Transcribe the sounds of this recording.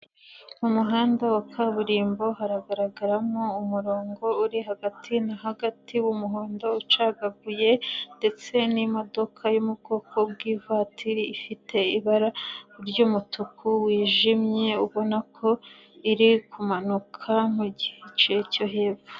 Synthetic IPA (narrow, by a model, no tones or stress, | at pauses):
umuɦaːndawakʰaβuɾiːmbo̞ɦaɾaɡaɾaɡaɾamoumuɾo̞ːŋɡo̞uɾiɦaɡatʰinaɦaɡatiwumuɦoːndout͡ʃaɡaɡuje̞nde̞t͡se̞nimo̞do̞kʰajumubɡo̞ːkʰo̞bɡiːvaːtʰiɾiːfite̞iβaɾauɾɟuːmutukʰuwiːʒimɲe̞uβo̞nakʰo̞ | iɾikʰumanukʰamuɟihet͡ʃeco̞ɦe̞ːbu